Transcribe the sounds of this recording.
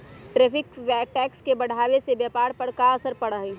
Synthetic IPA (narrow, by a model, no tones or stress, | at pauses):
ʈɾɛːpʰɪkʋɛːʈɛːkskebɐɽ̤ʱaːʋesebjɛːpaːɾpəɾkaɐsəɾpɐɽəɦi